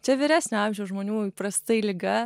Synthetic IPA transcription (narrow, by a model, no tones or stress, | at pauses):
t͡ʃʲɛʋʲɪɾʲæːsʲnʲoɑmʲʒʲɛʊʒmoːnʲuːipɾɐst̪ɐɪlʲɪɡɐ